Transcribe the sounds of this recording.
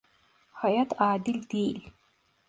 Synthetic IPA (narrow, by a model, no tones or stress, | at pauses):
hajatʰaːdɪlʲdelʲ